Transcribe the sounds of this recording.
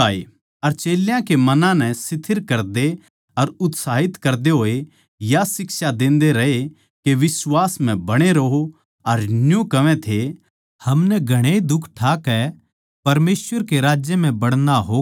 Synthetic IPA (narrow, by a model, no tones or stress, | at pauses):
aːḛ | ɐɾt͡ʃeːljãkemɐnãnɛsɪt̪ʰɪɾkɐɾd̪e | ɐɾʊt̪saːɦɪt̪kɐɾd̪eɦoːe | jasɪksad̪ẽːnd̪eɾɐɦe | keʋɪswaːsm̤ɛ̃bɐɽ̃eɾɐɦo | ɐɾnjõkɐʋɛ̃t̪ʰe | hɐmnɛɡʱɐɽ̃ed̪ʊkʰʈʰaːkɛ | pɐɾmeːsʋəɾkeɾaːd͡ʒjəm̤ɛ̃bɐɽ̃naɦoː